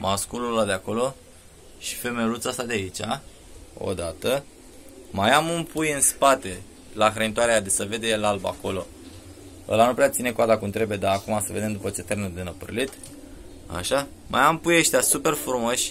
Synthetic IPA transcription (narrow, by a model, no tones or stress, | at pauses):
mʔaskululad̪eako̞lo̞ | ʃi̥fe̞me̞lut̪sast̪ad̪eait͡ʃʲa | o̞̰d̪at̪ə | majamɨmpujɨnspat̪e̞ | laxɾeit̪oaɾejad̪esəve̞d̪elalba̰ko̞lo̞ | ə̰lanupɾeat̪sine̞kuad̪akunt̪ɾebjed̪aːkumasəve̞d̪e̞md̪upət͡ʃe̞t̪ermenud̪enəpɨ̰rlit̪ | a̰ʃa | mʔa̰jampujeʃt̪easupe̞rfɾumo̞ʃʲ